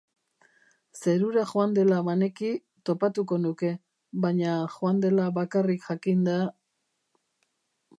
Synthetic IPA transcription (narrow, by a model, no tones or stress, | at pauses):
se̞ɾuɾaʝoand̪e̞laβane̞ki | t̪o̞pat̪uko̞nuke̞ | βaɲaxoand̪e̞laβakarikʝakind̪a